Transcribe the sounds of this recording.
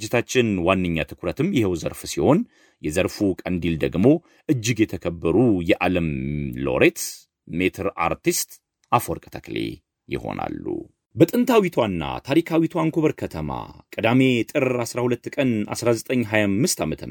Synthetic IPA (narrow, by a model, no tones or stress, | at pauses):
d͡ʒːɪt̪ʰat͡ʃːɪnwanːɨɲːat̪ʰɨkʰʊɾət̪ʰɨmjɛhewzə̰ɾfsiho̞n | jɛzəɾfukʼənd̪ild̪əɡmo̞ | ʔɨd͡ʒːɪɡjɛt̪ʰəkʰəbːəɾujɛʔaləmlo̞̰ɾet̪ | met̪ʰəɾa̰ɾt̪ist̪ʼ | ʔafoɾkʼə̥t̪ʰaklḛ | jɪ̰ho̞̰na̰lːṵ | bət̪ʼɨnt̪ʰawit̪ʰwanːa̰t̪ʰaɾikʰawit̪ʰwaŋkʰoβəɾkʰət̪ʰəma̰kʼəd̪ame̞t̪ʼɨɾasɾahulət̪ːkʼəna̰sɾazət̪ʼəɲːɦajamːɨst̪amət̪ʰən